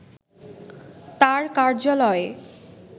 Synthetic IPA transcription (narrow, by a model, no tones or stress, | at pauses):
t̪aɾkaɾd͡ʑalɔe